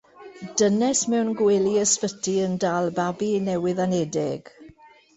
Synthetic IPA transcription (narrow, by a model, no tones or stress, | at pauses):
d̥ənɛsmɛwnɡwɛliəsfətʰiəndaːlˠbabinɛwɪðanɛdɪɡ̥